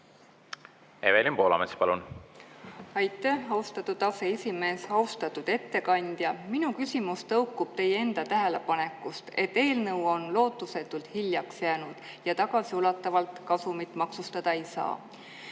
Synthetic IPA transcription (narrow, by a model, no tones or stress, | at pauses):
evelʲimpo̞ːlɑ̰mespɑlun | ɑjt̪ːˑæhɑwst̪ɑt̪ːˑud̪̥ɑse̞esʲime̞ːsɑust̪ɑt̪ːud̪̥e̞t̪ːe̞kɑnʲd̪̥jɑminukysʲimust̪ɤwkːˑub̥t̪e̞jee̞nd̪̥ɑt̪æɦelepɑne̞kːust̪e̞t̪ːe̞ːlnɤwo̞nlo̞ːt̪ːˑuse̞t̪ːˑult̪hiljɑksjæːnud̪̥ | jɑt̪ɑɡ̥ɑsiulɑt̪ːˑɑvɑlt̪kɑsumit̪ːˑmɑksust̪ɑd̪̥ɑejsɑ̰ː